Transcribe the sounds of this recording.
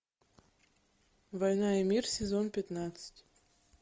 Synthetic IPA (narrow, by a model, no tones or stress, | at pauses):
vɐjnɑimʲirsʲɪzonpʲɪt̪nɑt̪sɨ̥tʲ